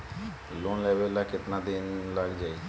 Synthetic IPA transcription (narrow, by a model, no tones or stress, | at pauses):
loːnlɛːʋəlːakɪt̪naːd̪ɪnləɡd͡ʒaːi